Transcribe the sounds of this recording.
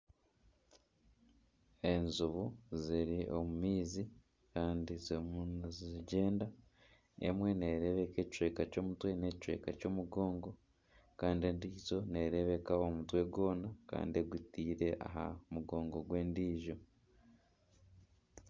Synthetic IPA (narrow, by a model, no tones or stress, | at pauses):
e̞nzuβuziɾiʔo̞mumiːzi | kaːndizmunzziɟe̞ːnda | ḛmwe̞ne̞ɾe̞βe̞ke̞ːci̥t͡ʃweːkaco̞ːmutwe̞ne̞ci̥t͡ʃwe̞̰ːkaco̞ːmuɡo̞ːŋɡo̞ | kaːndiendiːzo̞ne̞ɾe̞βe̞kao̞mutwe̞ɡwo̞ːnaka̰ːndieɡutiːɾe̞ʔa̰ɦa̰muɡo̞ːŋɡo̞ɡwe̞ːndiːʒo̞